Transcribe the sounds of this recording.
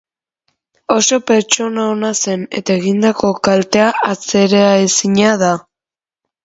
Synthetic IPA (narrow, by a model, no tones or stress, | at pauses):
o̞so̞pe̞ɾt͡ʃo̞naonase̞ne̞̰t̪ae̞ɣind̪ako̞kalt̪e̞aat͡se̞ɾeaesiɲaða